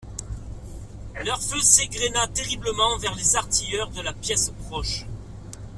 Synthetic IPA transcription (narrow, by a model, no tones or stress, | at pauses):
lœʁføseɡʁenat̪eʁibləmɑ̃vɛʁlezaʁt̪ijœʁd̪əlapjɛspχɔʃ